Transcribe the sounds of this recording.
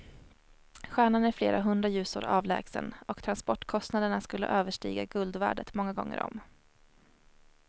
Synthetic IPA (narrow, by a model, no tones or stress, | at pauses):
ɧæːɳanæɾfleːɾaɦɵnd̪ɾajʉ̟ːsʊ̰ːɾʔɑːvlɛ̰ːɡsə̰nɔkt̪ʰɾanspɔʈːkʰɔst̪nad̪əɳaskɵlːə̰ʔøːvəʂʈḭːɡaɡɵld̪væ̰ːɖət̪mɔŋːaɡɔ̰ŋːə̰ɾɔ̰m